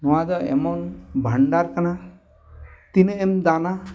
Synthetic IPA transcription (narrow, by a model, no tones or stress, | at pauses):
nɔwad̪ɔḛmɔnbʱaɳɖaɾkana | t̪inəemd̪ana